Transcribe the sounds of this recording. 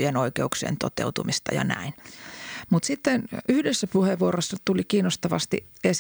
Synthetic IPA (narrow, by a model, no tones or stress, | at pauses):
jenoikeuksḛːnt̪ot̪ḛwt̪umist̪ɑ̰jɑ̰næ̰in | mut̪sit̪ːenyhdesːæpuheʋːuoɾosːɑt̪ulikiːnost̪ɑʋɑ̰st̪ḭ | es